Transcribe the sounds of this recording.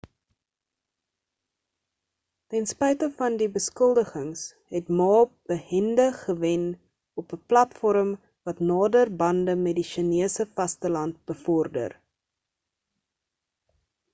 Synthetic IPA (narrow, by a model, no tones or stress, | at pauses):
tɛnspɛjtəfɐndibəskəlˠdəχəŋs | ɦɛtmɑːb̥əhɛndəχəvɛn | ɔpəplɐtfɔɾəm | vɐtnɑːdərbɐndəmɛdiʃiniəsəfɐstəlɐnt̚b̥əfɔrdə̰r